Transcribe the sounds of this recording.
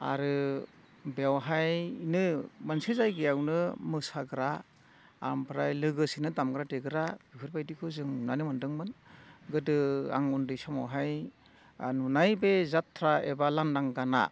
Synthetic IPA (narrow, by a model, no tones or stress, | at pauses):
a̰ɾɯ | bewɦajnɯmansezajɡɯjawnɯmɯsaɡɯɾa̰ː | mpʰɾajlɯɡɯsinɯdamɡɾateɡɯɾabikʰɯɾbajdikʰɯzɯŋnanɯmɯndɯŋmɯnɡɯdɯa̰ŋundɯjsɔmawɦaj | anunajbezatʰɾaebalandaŋɡana̰